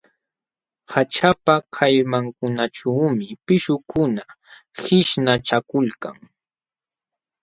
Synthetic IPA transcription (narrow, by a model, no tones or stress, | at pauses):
hat͡ʃapakʰajmaŋkʊnaʈ͡ʂawmɪpɪʃʊkʊna | hɪʃnaʈ͡ʂakʊlka̰ŋ